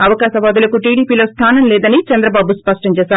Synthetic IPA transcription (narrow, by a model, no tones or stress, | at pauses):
ɐʋɐkaːʃɐʋaːd̪ulɐkuʈiːɽiːpiːlo̞ːst̪ʰaːnɐmlɛːd̪ɐnit͡ʃɛnd̪ɾɐbaːbuspɐʂʈɐmt͡ʃɛːʃaːɾ